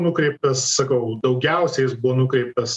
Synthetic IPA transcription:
nʊkɾʲɛɪp̚t̪ɐssɐkɐʊd̪ɒʊɡʲɛʊsʲɛjɪsbʊʋoːnʊkɾʲɛɪp̚t̪ɐs

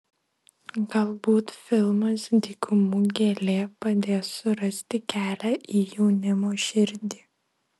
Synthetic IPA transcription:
ɡɐlˠbuːt̪fʲɪlˠmɐsd̪ʲiːkʊmuːɡʲeːlʲeːpɐd̪ʲeːsʊɾɐsʲt̪ʲɪkʲæːlʲæːʔiːjɛʊnʲɪmoːʃʲɪɾʲd̪ʲiː

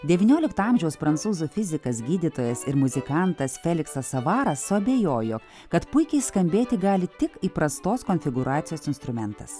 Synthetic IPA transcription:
d̪ʲɛʋʲiːnʲoːlʲɪkt̪ɑːmʲʒʲɛʊspɾɐnt̪suːzuːfʲɪzʲɪkɐsɡʲiːd̪ʲit̪oːjɛsɪɾmʊzʲɪkɑˑnt̪ɐsfʲɛlʲɪksɐsɐʋɑːɾɐsːʊɐbʲeːjoːjoː | kɐt̪pʊɪkʲɛɪskɐmʲbʲeːt̪ʲɪɡɑːlʲɪt̪ʲɪkiːpɾɐst̪oːskɔnʲfʲɪɡʊɾʔɑːt̪sʲɪjoːsɪnst̪ɾʊmʲɛnt̪ɐ̰s

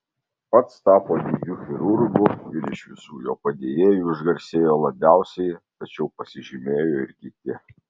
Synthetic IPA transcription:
pɐt̪st̪ɑːpoːijʲuːxʲɪɾʊɾɡʊɪɾɪʃʋʲɪsuːjoːpɐd̪ʲejeːjuːɪʒɡɐɾʲsʲeːjoːlˠɐbʲæˑʊsʲɛɪt̪ɐt͡ʃʲɛʊpɐsʲɪʒʲɪmʲeːjoːɪɾʲɡʲɪt̪ʲɪ

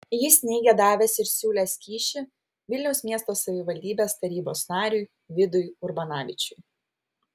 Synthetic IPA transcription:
jɪsʲnʲɛɪɡʲɛd̪ɑːʋʲɛsɪɾsʲuːlʲɛːsʲkʲiːʃʲɪ | ʋʲɪlʲnʲɛʊsʲmʲiɛst̪oːsɐʋʲɪʋɐlʲd̪ʲiːbʲeːst̪ɐɾʲiːboːsnɑːɾʲuj | ʋʲɪd̪ʊjʊɾbɐnɑːʋʲɪt͡ʃʲʊj

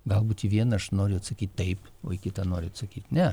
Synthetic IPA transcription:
ɡɐlˠbuːt̪iːʋʲiɛnɐʃnoːɾʲʊɐt̪sɐkʲiːt̚ʲt̪ɐɪp | oːɪkʲɪt̪ɑnoːɾʲʊɐt̪sɐkʲiːt̪ʲnʲɛ

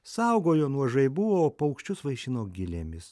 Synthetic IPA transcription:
sɐʊɡoːjoːnuɔʒɐɪbʊʋoːpɐʊkʃʲt͡ʃʲʊsʋɐɪʃʲɪnoːɡʲɪlʲḛːmʲɪs

